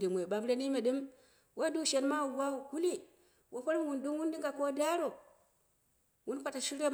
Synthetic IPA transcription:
di˨mwe˨ɓa˨bɾe˦ni˦me˨ɗɨ˦m | wo˦du˦ʃe˨nma˦˨wa˦˨ɡu˦li˦ | wʔo˨ɸo˦ɾm˨wu˨ndu˦ŋwu˦ndi˦ŋɡa˨ko˦da˦ɾo˨ | wu˦n˦kʷa˨ta˨ʃi˦ɾe˦

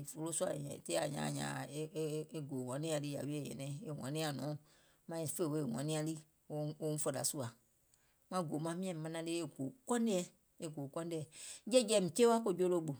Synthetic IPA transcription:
fo˨lo˦su˦a˨te˦a˨ɲã̰˨ɲã̰˨e˦e˦ɡo˨wã˨˦nĩ˦ã˨li˦ja̰˨wi˦e˦˨jɛ̰˨nɛ̃˨e˨wã̰˨nĩ˦a˨nũ˨˦ | mã˦i˨fe˦˨we˦˨wã̰˨nĩ˦a˦li˦ | o˦o˦n̩˦fɔ˨da̰˨su˦a˨ | mã˦˨ɡo˨mã˦mĩ˦ɛ̃˨mã˦nã˦de˦e˦ɡo˨kɔ̃˦n˦de˦ɛ˦ | e˦˨ɡo˨kɔ̃˦n˦e˦ɛ˨˦d͡ʒɛ˦d͡ʒɛ˨mĩ˨t͡ʃe˦wa˦ko˦˨d͡ʒo˦lo˦bo˨

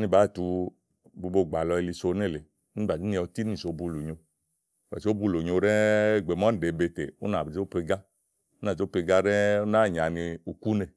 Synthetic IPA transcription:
ni˦˧ba˨˦˨tu˧ | bu˧bo˧˨ɡ͡ba˨lɔ˧i˧li˧so˧ne˦˨le˨˦ | ni˦ba˨i˦i˧ɔ˧ti˦ni˦˨so˨˦bu˧˨lo˨ɲo˧˨ | a̰˨so˦bu˧˨lo˨ɲo˧ɾɛ˦˨ɡ͡be˨mɔ˦n˨de˨be˧te˨u˦na˨i˨d͡ʒo˦pe˧ɡa˦ | o˦na˨o˦pe˧ɡa˦ɾɛ˦na˦˨ɲ˨a˨ni˧u˧ku˦ne˧˨

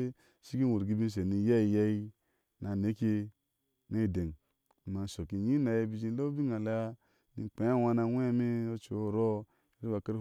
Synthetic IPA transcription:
ʃi˦ɡi˦u˨ɾɡi˦bi˦n˦s̬e˨ni˨ja˦i˨ja˦i˦ | na˨ne˨˦kʲe˦ | na˦i˨de˨ŋ˨ | ma˨n˨so˨ki˨ɲi˦na˨je˦bi˨d͡ʒi˦lo˦bi˦ŋa˨la˦a˦ | nḭ˨k͡pe˨˦a˦wa˦na˧wʷe˦a˦me˦o˦t͡ʃo˨˦˨ɾo˦˨ | ɾi˦a˨ke˦ɾ

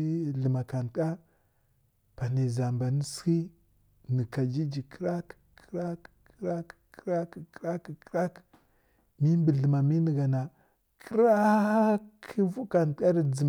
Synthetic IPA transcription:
ɮə˨ma˨ka˨n˨˦a˦ | pa˨ni˨za˨mba˨ni˦ski˦ | ni˨ka˨d͡ʒi˦d͡ʒi˨ki˦ɾa˦kɾa˦kɾa˦kkɾa˦kkɾa˦ki˨kɾa˦k | mi˦mbə˨ɮə˨ma˨mi˦ni˨ɡa˨na˨ | kə˦ɾa˦kʰi˦vu˦ka˨n˦a˦ɾi˨d͡zi˨m

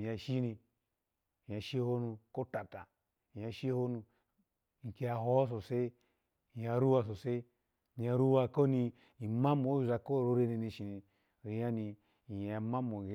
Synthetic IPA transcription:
a˨ʃi˦ni˧ | i˨a˨ʃi˦ho˦nu˧ko˦ta˨ta˨ | i˨ja˨ʃi˦ho˦nu˧˨ | ŋ˨ke˨ja˨ɦo˦s̬o˨se˦ | i˨ja˨ɾu˦wa˧s̬o˨se˦ | mi˨a˨ɾu˦wa˧ko˦ni˧ | i˨ma˦mo˨˦u˨za˨ko˦˨ɾo˧ɾe˧ni˧ni˧ʃi˨ni˨ | ɾi˨ja˦ni˧ | i˨ja˨ma˦mo˨˦

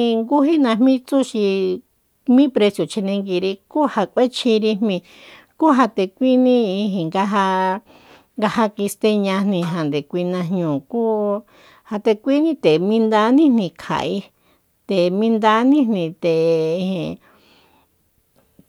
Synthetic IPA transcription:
ŋɡu˦ɦi˦nã˧hmĩ˦t͡su˦ʃi˧ | mĩ˦pɾe˧sjo˨t͡ʃi˧nẽ˧ŋɡi˧ɾi˧ku˦ha˧kʷe˦t͡ʃʰi˧ɾi˧hmĩ˧ | ku˦ɦa˧t̪e˧kʷi˦nĩ˦i˧ɦĩ˧˨ŋɡa˦ɦa˧ | ŋɡa˧ha˧ki˧st̪e˧ɲã˧nnĩ˧ɦa˨nd̪e˨kʷi˧nã˧ɦɲũː˨ku˦ | ha˧t̪e˧kʷi˦nĩ˦t̪e˨mĩ˧nd̪a˧˦nĩ˦nĩ˧˨kʰa̰˨i˧ | t̪e˨mĩ˧nd̪a˧˦nĩ˦nnĩ˧t̪e˨˧hĩ˧˨

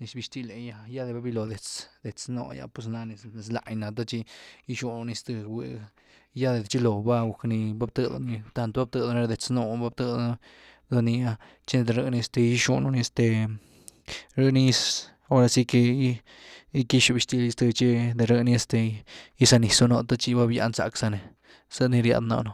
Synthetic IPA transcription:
ni˧sbi˧ʃt̪i˧le˨ja˧ja˦d̪e˧ba˦bi˧lo˨d̪e˨t͡sd̪̥e˨t͡sno̰˧ja̰˧pwe˧s̬na˧ni˧sne˧s̬la̰˧jna˨t̪̬a˦t͡ʃi˧i˦ʃu˧no˧ni˧st̪ɨ˧wḛ˧ | ja˦d̪e˨d̪t͡ʃi˦lo˨ba˦ɡu˨kni˧ba˦bt̪ɨ˧d̪o̰˧ni˧t̪a˧nt̪ba˦b̚t̪ɨ˧d̪o˧ni˧ɾd̪e˨t͡sno˧ba˦bt̪ɨ˧d̪ | d̪o˧ni˧a˧ | t͡ʃi˦de˧d̪e˨ɾɨ˧ni˧e˧st̪e˧ji˦ʃṵ˧no˧ni˧e˧st̪e˧ | ɾɨ˦ni˦s | o˦ɾa˧si˦ke˧˦ | i˦ki˦ʃu˧bi˧st̪i˧li˧st̪ɨ˧t͡ʃe˦d̪e˧ɾɨ˧ni˧e˧st̪e˧i˦sa˧ni˧so˧no˧t̪a˦t͡ʃi˧ba˦bja̰˧nsa̰˧ksa˧ne˨ | sə˦ni˧ɾja̰˧d̪na̰˧no˧

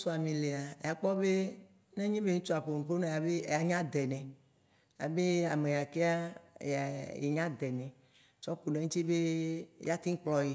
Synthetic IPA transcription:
so˦a˨mĩ˨le˨a˨a˨k͡pɔ˦be˦ | nẽ˦ɲĩ˦be˦ŋũ˦t͡ʃo˦a˨ɸo˨nũ˨po˦nẽ˦ja˨be˦˨ja˨ɲã˦d̪ɛ˨nɛ̃˨ | ja̰˨be˦a˨me˨ja˨ke˦a˦˨a˨jḛ˨ɲã˦d̪ɛ˨nɛ̃˨ | t͡ʃɔ˦k͡po˨nẽ˨˦ŋũ˦t̪i˦be˦ja˦t̪ĩ˦ŋ˦k͡plɔ˨je˨

